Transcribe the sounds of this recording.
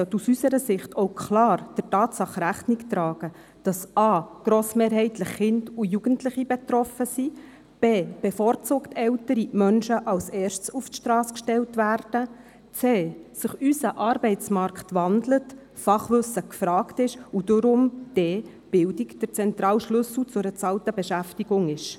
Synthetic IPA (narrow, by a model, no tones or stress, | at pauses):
œtːusysəɾəsɪχtʰowkʰlɑːrd̥ərtɑːtsɑχɾæχniktɾɑːɡ̥ə | d̥ɑsɑːɡ̥ɾoːsmeːɾɦɛɪtləχːɪndujuɡ̥əntlɪχibɛtɾɔfəsi | b̥eːb̥efoːrt͡suːktɛltəɾimœnʃəʔɑlsɛːɾʃtsuftʃtɾɑːskʃtɛltʋærd̥ə | t͡seːsəχysəʔɑɾbɛɪtt͡smɑɾkχtʋɑndlət | fɑχʋʏsəkfɾɑːktɪʃud̥ʊɾʊmd̥ɛː | b̥ɪldikd̥əɾt͡sɛntɾɑːlʃlɵsl̩t͡sʊɾət͡sɑltəbɛʃæftiɡ̥ʊŋɪʃ